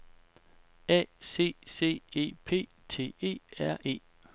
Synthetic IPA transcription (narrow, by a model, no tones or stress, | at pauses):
ɛ̰ːse̝̰ːse̝̰ːe̝̰ːpʰe̝̰ː | t͡sʰe̝̰ːe̝̰ːæɐ̰ʔe̝̰ː